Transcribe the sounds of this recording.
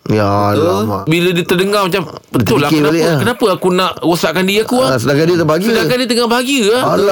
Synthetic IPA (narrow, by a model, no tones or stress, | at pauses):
ja | bilədit̪ərdəŋamat͡ʃambədt̪ʊlakeənaleakənapəakunaʔwosaʔkandiakuasədakadiət̪əbəaɡsiədakadiət̪̬əŋabaɦaɡia